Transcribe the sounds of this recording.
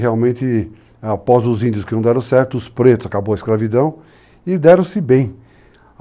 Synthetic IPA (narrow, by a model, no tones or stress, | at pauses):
heawmẽnt̪ɪ | apɔzʊzĩnd͡ʒ̪jʊskɪnɐ̃w̃d̪ɛɾɐ̃w̃sɛɾt̪ʊʊspɾet̪ʊz̥akabowɐɪskɾavid̪ɐ̃w̃ | ɪd̪ɛɾɐ̃w̃sɪbẽj̃